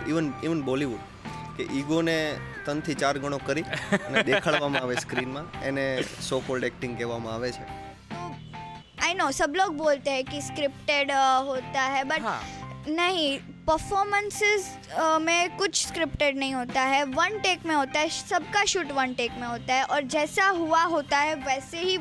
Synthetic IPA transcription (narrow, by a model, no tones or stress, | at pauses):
iʋəniʋənbɔliʋuɖ | keʔiɡonet̪ənt̪ʰit͡ʃaɾɡʱəɽ̃okəɾiəned̪ekʰəɭʋamãaʋeskɾinmãenesokɔlʈek̚ʈɪ̃ŋɡkɛʋamãaʋet͡ʃʰe | t̪o | ajnoːsəbloːɡ̚boːlt̪eɦɛkiskɾɪp̚ʈeɖɦoːt̪aɦɛbɐʈɦanɐɦĩ | pəɾfɔːɾmə̃nsɪz | mẽkʊt͡ʃʰskɾɪpʈeɖnɐɦĩɦoːt̪aɦɛʋɐnʈeːkmẽɦoːt̪aɦɛsɐb̚kaʃuːʈʋɐnʈeːkmẽɦoːt̪aɦɛʔɔːɾd͡ʒɛːsaɦuaɦoːt̪aɦɛʋɛːseɦi